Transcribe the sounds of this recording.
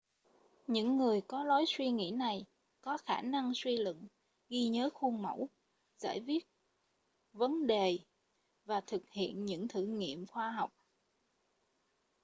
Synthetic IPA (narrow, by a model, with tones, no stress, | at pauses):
ɲɨ̰˧˥ŋːɨ˨˩əjkɔ˨˦lɔ˨˦jswi˧ŋḭ˧˥na˨˩j | kɔ˨˦xaː˧˩na˧ŋswi˧lɨ̰˧˨ŋ | ɣi˧ɲəː˨˦xu˧ŋmə˧˩w | z̥a̰ː˧˩jvi˦˥ət̚ | və˨˦nɗe˨˩ | vaː˨˩t̪ʰɨ˨˩k̚hḭ˧˨ənɲɨ̰˧˥ŋt̪ʰɨ̰˧˨ŋḭ˧˨əmxwaː˧ɦa˨˩wk͡p̚